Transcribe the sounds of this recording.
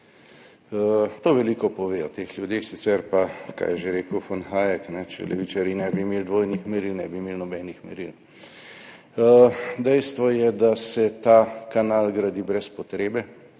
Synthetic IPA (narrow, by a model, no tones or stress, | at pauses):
t̪oːʋɛlikɔpɔʋeːɔt̪eːxljud̪eːxsit̪sɛɾpaka̰jɛʒeɾeːkəwfɔnxaːjɛknɛt͡ʃɛ̰lɛ̰ʋit͡ʃaɾinɛbimeːld̪ʋoːjnixmɛɾilnɛbimeːlnɔbɛːnixmɛ̰ɾil | d̪ɛjst̪ʋɔjɛd̪asɛt̪akanalɡɾad̪ibɾɛspɔt̪ɾeːbɛ